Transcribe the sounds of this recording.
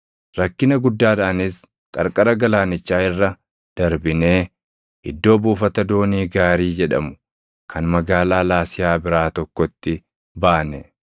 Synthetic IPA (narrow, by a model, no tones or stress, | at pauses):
ɾɐkːɪnɐɡʊd̪ːaːd̪ɐʔɐnɪs | kʼɐɾkʼɐɾɐɡɐlaːnɪt͡ʃːaːɪrːɐ | d̪̥ɐɾbɪne̞ː | ɪd̪ːo̞ːbuːfɐt̪ɐd̪o̞ːniːɡaːɾiːd͡ʒɛᶑɐ̰mʊ̥ | kʰɐnmɐɡaːlaːlaːsɪjaːbɪɾaːt̪ɔkːɔt̪ːɪ | baːnɛ